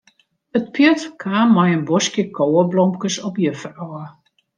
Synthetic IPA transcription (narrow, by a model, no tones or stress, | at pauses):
ət̚pjətkʰaːmɔjənbɔskjəkʰoːəblɔmkəsɔpjəfərɔə